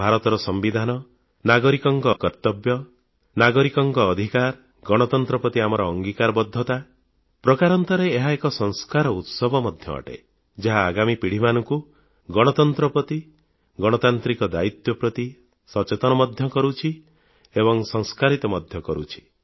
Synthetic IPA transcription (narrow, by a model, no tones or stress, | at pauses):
bʱaɾɔt̪ɔɾɔsɔmbid̪ʱanɔ | naɡɔɾikɔŋkɔkɔɾt̪ɔbjɔ | naɡɔɾikɔŋɡɔːd̪ʱikaɾ | ɡɔɽ̃ɔt̪ɔnt̪ɾɔpɔt̪iamɔɾɔːŋɡikaɾɔbɔd̪ʱːɔt̪a | pɾɔkaɾɔnt̪ɔɾeːɦaekɔsɔŋskaɾɔut̪sɔbʱɔmɔd̪ʱjɔ̰ɔ̰ʈḛ | d͡ʒaɦaːɡamipiɽ̤imanɔŋku | ɡɔɽ̃ɔt̪ɔnt̪ɾɔpɔt̪i | ɡɔɽ̃ɔt̪ant̪ɾikɔd̪ait̪jɔpɾɔt̪i | sɔt͡ʃet̪ɔñɔmɔd̪ʱjɔkɔɾut͡ʃʰi | ebɔŋsɔŋskaɾit̪ɔmɔd̪ʱjɔkɔɾut͡ʃʰi̥